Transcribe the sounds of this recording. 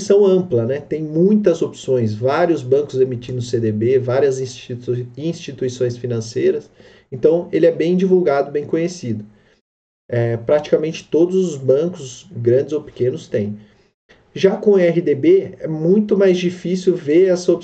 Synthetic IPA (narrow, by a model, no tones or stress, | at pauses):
sɐ̃w̃ɐ̃mplɐnɛt̪ẽj̃mũj̃t̪ɐzopsõj̃svaɾiʊzbɐ̃kʊzemit͡ʃĩnd̪ʊsed̪ebevaɾiɐzĩsĩst͡ʃit̪uisõj̃sfinɐ̃sejɾɐs | ẽnt̪ɐ̃w̃elɪɛbẽj̃d͡ʒivuwɡad̪ʊbẽj̃kõɲesid̪ʊ | ɛpɾat͡ʃi̥kamẽnt͡ʃɪ̥t̪od̪ʊzʊzbɐ̃kʊsɡɾɐ̃nd͡ʒɪzowpi̥kẽnʊst̪ẽj̃ | ʒakõɛɦɪd̪ebeɛmũj̃t̪ʊmajzd͡ʒifisiuwveɾɛsɐop